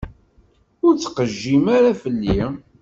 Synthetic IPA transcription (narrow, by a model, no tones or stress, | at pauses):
ʊɾt͡sːqəʒːimaɾafəlːi